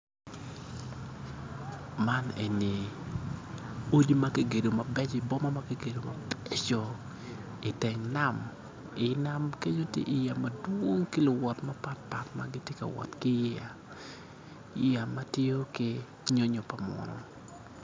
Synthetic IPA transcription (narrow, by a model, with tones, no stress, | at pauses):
ma˦ne˨ni˨ | o˦d͡ʒi˦ma˦ki˦ɡe˨do˨ma˨bɛ˦t͡ʃi˨bɔ˦ma˦ma˦ki˦ɡe˨do˨ma˨bɛ˦t͡ʃo˨ | ɪ˨tɛ˨ŋna˦m | ɪ˨na˦mke˦ɲo˦tjḛ˦ʔi˨ja˨madwo˦ŋkɪ˦lʊ˨wɔ˨tmapa˦t̚pa˨tma̰ɡɪ˦tje˦ka̰˨wɔ̰˨tkɪ˦ja˨˦ | a˨ma˦tje˦o˦kɪ˦ | ɲo˦ɲo˨pa˨mɔ̰˨nɔ̰˨